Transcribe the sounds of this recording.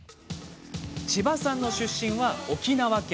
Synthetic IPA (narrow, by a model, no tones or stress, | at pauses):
t͡ɕibasãnːo̞ɕɨɕːĩɰ̃βao̞kʲinaβakʲ